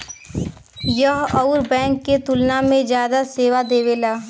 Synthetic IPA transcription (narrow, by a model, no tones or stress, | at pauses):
jəɦɔʊɾbɛ̃ːŋkːet̪ʊlnamẽd͡ʒjaːd̪aseːʋad̪eːʋelaː